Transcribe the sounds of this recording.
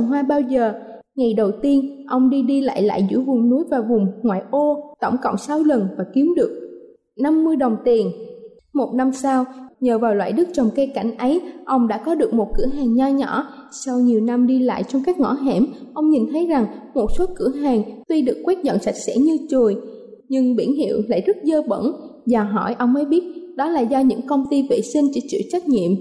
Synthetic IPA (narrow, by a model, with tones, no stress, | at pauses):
ɦwaː˧ɓaː˧wzəː˨˩ | ŋa˨˩jɗə˨˩wt̪i˧ənʔə˧wŋ͡mɗi˧ɗi˧la̰ː˧˨jla̰ː˧˨jzɨ̰˧˥jvʊ˨˩ŋ͡mnu˨˦jvaː˨˩vʊ˨˩ŋ͡mŋwa̰ː˧˨jʔo˧t̪ə̰˧˩wŋ͡mkə̰˧˨wŋ͡msa˨˦wlə˨˩nvaː˨˩ki˨˦əmɗɨ˨˩ək̚ | na˧mːɨ˧əjɗə˨˩wŋ͡mt̪i˨˩ən | mo˨˩t̚na˧msaː˧wɲəː˨˩vaː˨˩wlwa̰ː˧˨jɗɨ˦˥k̚t͡ɕɔ˨˩wŋ͡mke˧ka˧˩jŋ̟ʔə˨˦jʔə˧wŋ͡mɗa̰ː˧˥kɔ˨˦ɗɨ˨˩ək̚mo˨˩t̚kɨ̰˧˩əɦaː˨˩ŋɲaː˧ɲɔ̰˧˥sa˧wɲi˨˩əwna˧mɗi˧la̰ː˧˨jt͡ɕɔ˧wŋ͡mkaː˦˥k̚ŋɔ̰˧˥ɦɛ˧˩mʔə˧wŋ͡mɲi˨˩nt̪ʰə˨˦jza˨˩ŋmo˨˩t̚so˨˦kɨ˧˩əɦaː˨˩ŋt̪wi˧ɗɨ˨˩əkːwe˦˥t̚zə̰˧˨nsa˨˩jk̚sɛ̰˧˥ɲɨ˧t͡ɕu˨˩əj | ɲɨ˧ŋɓḭ˧˩ənɦḭ˧˨əwla̰ː˧˨jzɨ˦˥t̚zəː˧ɓə̰˧˩nzaː˨˩ɦɔ˧˩jʔə˧wŋ͡mmə˨˦jɓi˦˥ət̚ɗɔ˨˦la̰ː˨˩zɔ˧ɲɨ̰˧˥ŋkə˧wŋ͡mt̪i˧vḛ˧˨sï˧ŋ̟t͡ɕḭ˧˥t͡ɕḭ˧˥t͡ɕa˦˥jk̚ɲḭ˧˨əm